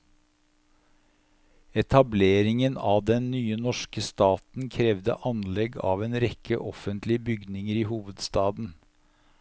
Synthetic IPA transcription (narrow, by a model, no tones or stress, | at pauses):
ɛt̪ʰɑbleːɾɪŋənɑːʋd̪ɛnnyːənɔʃkəst̪ɑːt̪n̩kʰɾɛʋd̪ə̰ʔɑnlɛɡɑ̰ːʋeːnɾɛkə̰ʔɔfənt̪lɪəbʏɡnɪŋəɾiːhuːʋəd̪st̪ɑːd̪n̩